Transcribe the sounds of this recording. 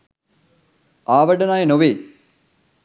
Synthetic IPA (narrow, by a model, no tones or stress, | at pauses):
aːʋɐɖɐnaːjnoʋeː